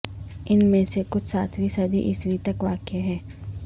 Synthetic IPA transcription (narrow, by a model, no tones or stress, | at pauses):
ɪnmẽsekʊt͡ʃʰsaːt̪ʰʋisɐd̪ʱḭʔɪsʋit̪ɐkʋaːkeɦɛː